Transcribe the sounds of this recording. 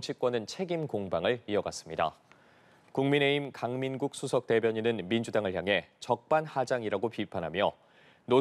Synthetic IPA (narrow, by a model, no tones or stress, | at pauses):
t͡ɕʰik͈wʌnɯnt͡ɕʰe̞ɡimkoŋbaŋɯɭiʌɡas͈ɯ̥mɲida̰ | kuŋmine̞imkaŋminɡuk̚s͈ʰusʰʌk̚t͈e̞bjʌɲinɯnmind͡ʑudaŋɯɭçjaŋɦe̞t͡ɕʌk̚p͈anhad͡ʑaŋiɾaɡopipʰanɦamjʌ | no